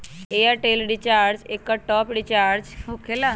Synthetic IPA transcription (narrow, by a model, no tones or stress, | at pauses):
ejaʈelɖit͡ʃaːɾd͡ʒekːaʈɔpɖit͡ʃaːɾd͡ʒokela